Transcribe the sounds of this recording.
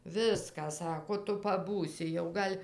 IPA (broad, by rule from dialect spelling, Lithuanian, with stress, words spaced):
ˈʋʲɪskɑː ˈsɑːkoː ˈtʊ pɐˈbuːsʲɪ jɛʊ ˈɡɐlʲ